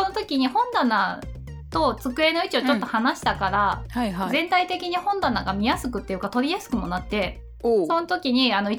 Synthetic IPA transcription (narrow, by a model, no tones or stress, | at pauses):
onot̪o̞kʲiɲ̟ihõ̞nd̪ana | t̪o̞t͡sɨkɯ̟e̞no̞it͡ɕiot͡ɕo̞t̪ːo̞hanaɕi̥t̪akaɾahazẽ̞nt̪ait̪e̞kʲiɲ̟ihõ̞nd̪anaɡamʲijasɨkɯ̟t̪ːejɯ̟kat̪o̞bʲijasɨ̥kɯ̟mo̞nat̪ːe̞ | so̞not̪o̞kʲiɲ̟ianoi